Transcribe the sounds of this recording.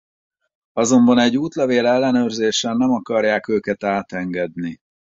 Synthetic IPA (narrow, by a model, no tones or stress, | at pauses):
ɒzo̞mbɒnɛɟːuːt̪lɛveːlɛlːɛnøːrzeːʃɛnːɛmɒkɒrjaːkøːkɛt̪aːt̪ɛŋɡɛd̪ni